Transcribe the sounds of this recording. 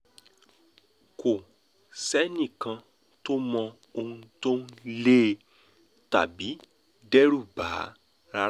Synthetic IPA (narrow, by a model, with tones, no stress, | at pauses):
ko˨ | sɛ˦nĩ˦˨kã˧ | to˦mɔ̃˧ | o˧hũ˧to˦n˦leː˦ | ta˨bi˨˦ | dɛ˦ɾu˦˨ba˨˦ | ɾa˧